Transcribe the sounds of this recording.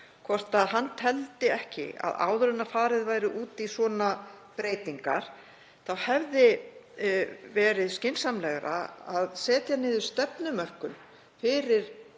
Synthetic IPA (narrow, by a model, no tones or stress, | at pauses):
kʰvɔr̥t̪aðɦanːt̪ʰɛlt̪ɪɛhcɪ̰a̰ða̰ːwðɾʏnafaːɾɪðvaːjɾɪʔuːt̪isvɔːna | pɾeːjt̪iŋka̰ɾ̥ | θawhɛvðɪ | vɛːɾɪðscɪnsamlɛɣɾa̰aðsɛːt̪janːɪːðʏ̥st̪ɛpnʏmœr̥kʏn | fɪːɾɪɾ̥